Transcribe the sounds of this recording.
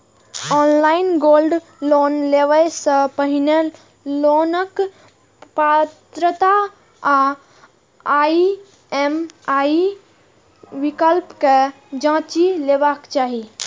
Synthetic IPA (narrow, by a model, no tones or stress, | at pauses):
ɔːnlaːɪnɡoːlɖ | loːnleʋəjsəpəɦɪne | loːnək | pat̪ɾət̪a | a | aːi | emaːi | ʋɪkəlpke | d͡ʒãːt͡ʃileːʋakt͡ʃaːɦi